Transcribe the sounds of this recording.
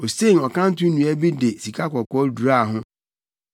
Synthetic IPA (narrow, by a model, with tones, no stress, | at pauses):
o˨se˦˨ŋ˨ɔ˨kʰã˦n̩˦tʊ̃˦nũ˨æ˦bi˦de˨si˨kʰa˦kɔ˨kɔ˦du˨ɾa˦˨ɦʊ̃˦